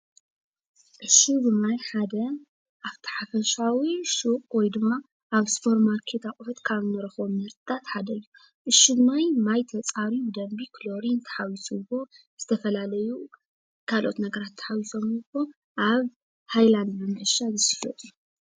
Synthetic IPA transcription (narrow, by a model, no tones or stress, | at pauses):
ʔɨʃːubɨmajħad̪ɐ | ʔaβt̪ʰɐ̥ħafɐʃawiʃukʼwɔjd̪ɨmːa | ʔaβspʰoɾmaɾkʰet̪ʰakʼfɐt̪kʰaβɨnɐɾɐxomɨɾt̪ʰɨt̪ʰat̪ħad̪ɐjːu | ʔɨʃibmajmajt̪ʰɐt͡sʼaɾibɨd̪ɐmbikʰlo̞ɾint̪ʰɐ̥ħawisubo̞ | z̥ɨt̪ʰɐfɐlalɐju | kʰalʔo̰t̪nɐɡɐɾat̪ʰːɐ̥ħawiso̞mpːo | ʔaβ | hajland̪bɨmɨʕɨʃazɨsifɐ̰t̪ʼu